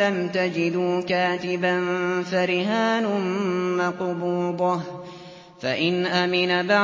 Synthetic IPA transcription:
amt̪ad͡ʒɪd̪uːkaːt̪ɪbanfaɾɪɦaːnʊmmɑqbuːd̪ˤɑ | faʔɪnʔamɪnaba

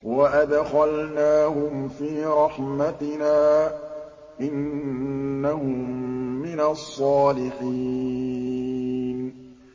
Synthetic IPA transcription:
waʔad̪xalnaːhʊmfiːɾˤɑħmat̪ɪnaː | ʔɪnː | ahʊmːɪnasˤːɑːlɪħi | n

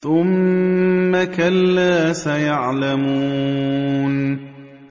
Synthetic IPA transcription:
θʊmː | akalːaːsajaʕlamuuː | n

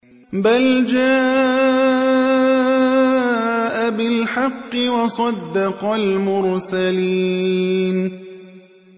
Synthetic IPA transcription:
bald͡ʒaː | ʔabɪlħɑqːɨwɑsˤɑd̪ːɑqɑlmʊɾsaliːn

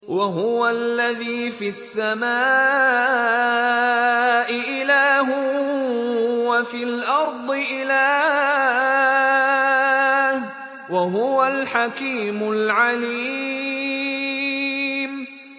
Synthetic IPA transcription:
waɦʊwalːaðiːfiasːamaː | ʔɪʔɪlaːɦʊ | wafiːlʔɑɾˤd̪ˤɨʔɪlaː | h | waɦʊwalħakiːmʊlʕaliː | m

